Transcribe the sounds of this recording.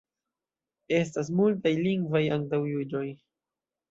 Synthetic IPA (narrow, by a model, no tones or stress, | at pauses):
e̞stas̬multajliŋɡvajaŋtawjud͡ʒo̞j